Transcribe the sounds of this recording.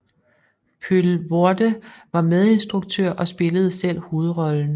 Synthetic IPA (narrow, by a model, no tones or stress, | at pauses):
pʰylʋod̥əʋɑ̈með̞ˠe̝nsd̥ʁuɡ̥̚t͡sʰøɐ̰ʔɒ̽sb̥e̝ləð̞̩ˠəsel̰hoːð̞̩ˠʁɒ̽ln̩